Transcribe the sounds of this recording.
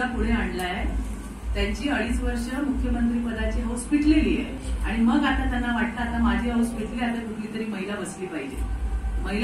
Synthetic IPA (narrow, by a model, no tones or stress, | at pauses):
apuɽ̤eaɳlaje | t̪jaɲt͡ɕiːəɽiːsʋəɾʂəmukʰjəmənt̪ɾiːpəd̪at͡ɕiːɦospiʈlelḭːjḛ | aɽ̃iməɡat̪at̪janːaʋaʈ̚t̪aːt̪amad͡ʑʱiːɦospiʈliat̪akuʈliːt̪əɾiːməɦilabəsliːpaɦid͡ʑḛməɦil